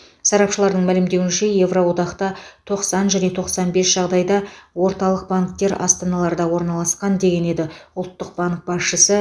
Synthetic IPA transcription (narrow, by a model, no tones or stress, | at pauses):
sɑɾɑpʃəlˠɑɾd̪əɴmælɪmd̪e̞wɪnʃe̞je̞vro̞wo̞d̪ɑqt̪ɑt̪ʰo̞qsɑnʒæne̞t̪ʰo̞qsɑnbe̞sʒ̥ɑʁd̪ɑjd̪ɑwo̞ɾt̪ɑlˠəq̚baŋkt̪e̞ɾɑ̰st̪ɑnɑlˠɑɾd̪ɑwo̞ɾnɑlˠɑsqɑnd̪e̞ɡʲe̞ne̞d̪ɪʊlˠt̪ːəq̚b̥aŋk̚b̥ɑsʃəsə